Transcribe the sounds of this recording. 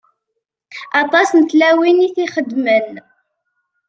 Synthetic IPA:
ɑt̪ˤɑsnət̪læwiniθiχəd̪mən

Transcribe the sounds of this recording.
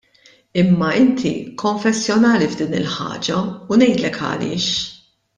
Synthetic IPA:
ɪmːɐɪnt̪ʰḭkʰɔɱfɛsːjɔnɐːlivd̪iːnɪ̰lħɐ̰ːd͡ʒɐunɛjt̪lɛkʰɐ̰lɪ̰ːʃ

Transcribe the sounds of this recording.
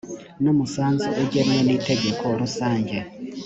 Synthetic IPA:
nomusaːnziʔeɟemiweniteɟe̞kʰoːɾusaːɲɟe

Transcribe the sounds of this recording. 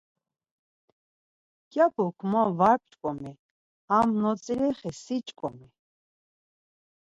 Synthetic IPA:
kjapʰɔkʰmɔvaɾp̚ʰt͡ʃʼkʼɔmɛ | amnɔt͡sʼiɾɛχɛsit͡ʃʼkʼɔmi

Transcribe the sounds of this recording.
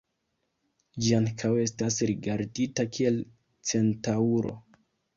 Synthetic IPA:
d͡ʒiaŋkʰawe̞stasɾiɡaɾditakʰie̞l | t͡se̞ntauɾo̞̰

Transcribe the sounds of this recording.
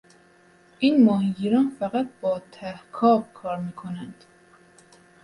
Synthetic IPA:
ʔiːnmɒːhiɟiɾɒːnfæɣæt̪̚bɒːt̪ʰæhkʰɒːbkʰɒːɾmiːkʰonænd̪̥

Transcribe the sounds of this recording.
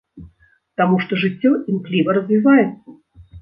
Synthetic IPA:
t̪amuʂt̪ɔʐɨt͡sʲːɔimklʲivɐɾɐzʲvʲivajɛt̪sɐ

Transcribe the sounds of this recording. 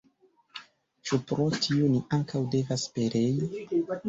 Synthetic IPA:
t͡ʃupɾo̞tʰioniʔaŋkʰawde̞vaspe̞ɾe̞ji

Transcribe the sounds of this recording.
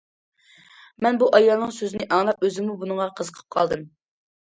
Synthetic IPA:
mɛnbuʔɑjɑlˠnɨŋsøzɪnɪʔɑŋlˠɑp̚øzɪŋmubunəɴʁɑqʰəzəqʰə̥p̚qʰɑlˠd̪ɨm

